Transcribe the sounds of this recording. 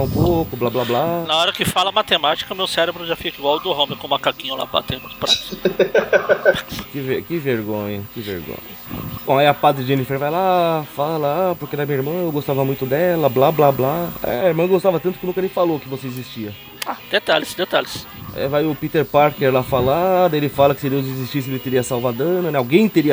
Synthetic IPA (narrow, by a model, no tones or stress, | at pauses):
ũpokʊblablablanɐɔɾɐkɪfalɐmat̪emat͡ʃi̥kɐmewsɛɾebɾʊʒafikiɡwawd̪ʊɦõmɪkõmakakĩɲʊla̰ba̰t̪ẽj̃mũt̪ʊ̥pɾasʊ̥ | kɪvekɪveɾɡõɲɐkɪvḛɾɡõ̰ɲɐbõaiɐpad̪ɾɪd͡ʒẽnifeɾvajlafalɐapoɾked̪ɐmĩɲɐiɾmɐ̃ewɡost̪avɐmũj̃t̪ʊd̪ɛlɐblablablaɛ̰iɾmɐ̃ɡost̪avɐt̪ɐ̃t̪ʊkɪnũkɐleɪ̃j̃falokɪvoseezist͡ʃiɐ | ad̪̥et̪alɪsd̪et̪alɪs | ɛ̰vajʊpit̪eɾpaɾkeɾlafalad̪ʊelɪfalɐkɪ̥sɪd̪ewzezist͡ʃis̬ɪelɪt̪eɾiɐsawvad̪ɐ̃nʊnɛawɡẽj̃t̪eɾiɐ